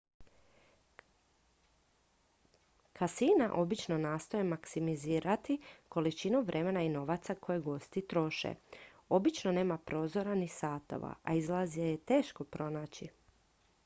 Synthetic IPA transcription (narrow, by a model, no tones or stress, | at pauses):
kʰasinaʔo̞bit͡ʃno̞naːst̪ojemaksimiziːɾat̪iko̞lit͡ʃinuʋɾʔe̞me̞naino̞ʋat̪sakʰo̞jeɡo̞st̪it̪ɾo̞ʃḛ | o̞bit͡ʃno̞ne̞ːmapɾo̞ːzo̞ɾanisaːt̪o̞̰ʋa̰ʔa̰izlˠazijejet̪e̞ːʃko̞pɾo̞naːt͡ɕi